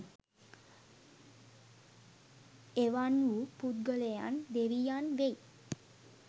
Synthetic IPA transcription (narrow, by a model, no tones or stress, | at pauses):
eʋanupud̪̚ɡəleja̰nd̪eɾijanʋej